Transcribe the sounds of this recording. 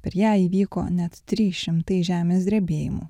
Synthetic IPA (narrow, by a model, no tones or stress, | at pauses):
pʲɛɾjæːiːʋʲiːko̰ːnʲɛt̪t̪ʲɾʲiːʃʲɪmt̪ɐɪʒʲæːmʲeːsʲd̪ʲɾʲɛbʲeːjɪmṵ